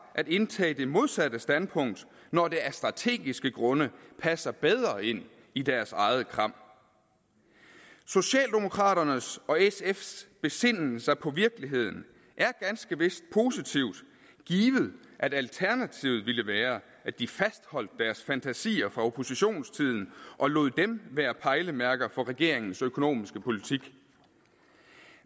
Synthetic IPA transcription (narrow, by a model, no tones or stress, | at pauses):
ʔæɾ̥e̝nt͡sʰɛ̰ːd̥e̝mo̝ð̞ˠsæd̥əsd̥ænpʰɔ̽ŋ̰d̥ | nɒd̥e̝æɐsd̥ʁɑ̈t͡sʰe̝̰ːɡ̥isɡ̥əɡ̥ʁɔ̽nəpʰæsɐb̥eð̞ˠʁɐe̝n̰ | id̥æɐsɑ̈ɪð̞ˠəkʰʁɑ̈m̰ | so̝ɕɛ̰ːld̥e̝mo̝kʰʁɑ̈ːɾ̥ɐnəsɒ̽esefsb̥e̝se̝n̰l̩sɑpʰɒ̽ʋiɐɡ̥əliɦe̝ð̞̰ˠn̩ | ʔæɐɡ̥ænsɡ̥əʋe̝sd̥pʰo̝ːsit͡sʰiʊ̰d̥ | ɡ̥iːʋð̞̩ˠʔædælt͡sʰæɐnæt͡sʰiʊð̩ˠʋiləʋæːɐ | æd̥ifæsd̥hɒ̽l̰d̥̚ːæɐsfænt͡sʰæsḭːɐfʁɑ̈o̝pʰo̝siɕo̝̰ːnst͡sʰið̰ˠn̩ʔɒ̽lo̰ːðˠd̥emʋeɐpʰɑ̈ɪləmæɐɡ̥ɐfɒ̽ʁɛɡ̥e̝̰ɐeŋn̩søkʰo̝no̝̰ːmisɡ̥əpʰo̝lit͡sʰiɡ̥